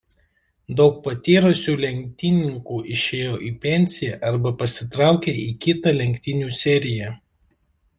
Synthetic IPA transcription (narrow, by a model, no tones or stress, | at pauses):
d̪ɒʊk̚pɐt̪ʲiːɾʊsʲuːlʲɛŋʲk̚ʲt̪ʲɪnʲɪŋkuːʔɪʃʲeːjoːʔiːpʲɛnʲsʲɪjɛʔɐɾbɐpɐsʲɪt̪ɾɑˑʊkʲeːiːkʲɪt̪ɐlʲɛŋʲkʲt̪ʲɪnʲuːsʲɛɾʲɪjɛ